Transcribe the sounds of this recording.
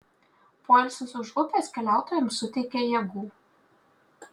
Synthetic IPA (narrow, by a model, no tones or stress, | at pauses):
poːɪlʲsʲʊsʊʃʊpʲeːˑskʲɛlʲæˑʊt̪oːjɛmsʊt̪ʲɛɪkʲejɛɡuː